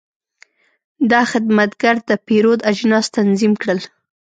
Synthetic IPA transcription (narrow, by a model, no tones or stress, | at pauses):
d̪ɑxɪd̪mat̪ɡaɾd̪əpeɾod̪ad͡ʒnɑzt̪anzimkɽəl